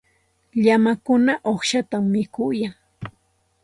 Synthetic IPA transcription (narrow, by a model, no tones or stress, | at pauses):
ʎamakʊnaʔoχʃat̪amːɪkʊjaŋ